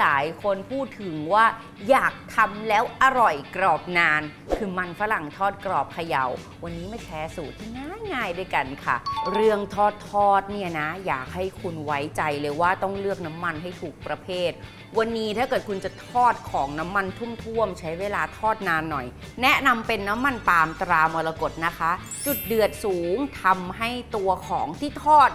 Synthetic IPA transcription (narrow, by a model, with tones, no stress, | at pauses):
laː˩˦jkʰo˧npʰuː˥˩t̪ʰːɯ˨˩˦ŋwaː˥˩ | jaː˨˩k̚t̪ʰa˧mlɛː˦˥wʔa˧ɾɔ˨˩jkɾɔː˨˩p̚naː˧n | kʰɯː˧ma˧nfa˦˥la˨˩ŋt̪ʰɔː˥˩t̪̚kɾɔː˨˩p̚kʰa˧ja̰˧˩w | wa˧nːiː˦˥ma˥˩jt̪ʰɛː˦˥suː˨˩t̪ʰiː˥˩ŋaː˥˩ŋaː˧˩jdu˥˩jka˧nkʰa̰˥˩ɾɯ˥˩əŋt̪ʰɔː˥˩t̪ʰːɔː˥˩t̪̚ni˥˩ɐna˦˥ja̰ː˨˩k̚ha˥˩jkʰu˧nwa˦˥jt͡ɕa˧jlɤː˧jwaː˥˩t̪ɔ˥˩ŋlɯ˥˩ək̚na˦˥mːa˧nɦa˥˩jt̪ʰuː˨˩k̚pɾa˧pʰeː˥˩t̪̚ | wa˧nːiː˦˥t̪ʰaː˥˩kɤː˨˩t̪̚kʰu˧nt͡ɕa˨˩t̪ʰɔː˥˩t̪̚kʰɔː˩˦ŋna˦˥mːa˧nt̪ʰu˥˩mt̪ʰu˥˩əmt͡ɕʰa˦˥jweː˧laː˧t̪ʰɔː˥˩t̪̚naː˧nːɔ˨˩j | nɛ˦˥na˧mpe˧nːa˦˥mːa˧nt̪aː˧mt̪ɾaː˧mu˧la˧ko˨˩t̪̚na˦˥kʰa˦˥ | t͡ɕu˨˩t̪̚dɯ˨˩ət̪̚suː˩˦ŋt̪ʰa˧mɦa˥˩jt̪u˧ɐkʰɔː˩˦ŋt̪ʰiː˥˩t̪ʰɔː˥˩t̪̚